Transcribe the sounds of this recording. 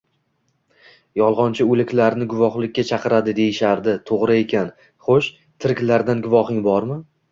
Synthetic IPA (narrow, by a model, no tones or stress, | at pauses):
jɒlˠʁɒnt͡ʃʰɪɵlˠɪkʲʰlaɾnɪɡʊvɒχlˠɪkʲːat͡ʃʰɑqʰɨɾad̪ɪd̪e̞jɪʃaɾd̪ɪt̪ʰoʁɾɪe̞kʲan | χoʃ | t̪ʰɪɾɪkʲlaɾd̪anɡʊvɒχɪŋbɒɾmɪ